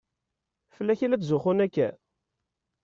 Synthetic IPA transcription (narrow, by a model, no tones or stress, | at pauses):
fəlːæçilæt͡s̪zʊχʊnækːæ̰